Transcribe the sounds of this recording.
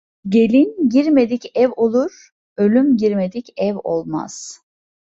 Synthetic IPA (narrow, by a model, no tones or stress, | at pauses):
ɟe̞lʲinɟiɾme̞d̪icɛvo̞lˠuɾ̥ | ø̞lʲymɟiɾme̞d̪icɛvo̰lˠma̰z̥